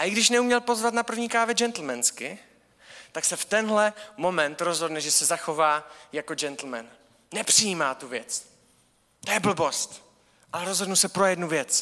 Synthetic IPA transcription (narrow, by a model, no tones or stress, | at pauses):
ʔaʔɪɡdɪʃnɛumɲɛlpo̞zvat̪napr̩vɲiːkaːvɛd͡ʒɛnt̪l̩mɛnskɪ | t̪aksɛft̪ɛnɦlɛmo̞mɛnt̪ɾo̞zɦo̞dnɛʒɛsɛzaxo̞vaːjako̞d͡ʒɛnt̪l̩mɛ̰nː | ɛpr̥ɪjiːmaːt̪uvjɛt͡s | t̪ojɛbl̩bo̞st̪ | ʔalɛɾozɦdnusɛpɾo̞jɛdnuvjɛt͡s